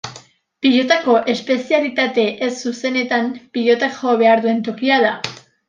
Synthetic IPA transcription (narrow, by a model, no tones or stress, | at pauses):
piʎo̞t̪ako̞ʔe̞spe̞sialit̪at̪e̞ʔesːuse̞ne̞t̪ampiʎo̞t̪aʝoβe̞aɾðue̞nt̪o̞kiaða